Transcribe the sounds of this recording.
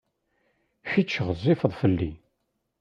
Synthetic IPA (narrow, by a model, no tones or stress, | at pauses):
çit͡ʃːəʁəzˤːɪfəðˤfəlːi